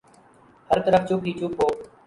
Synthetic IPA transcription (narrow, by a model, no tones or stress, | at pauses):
həɾt̪əɾəft͡ʃoːkʰiːt͡ʃuːpoː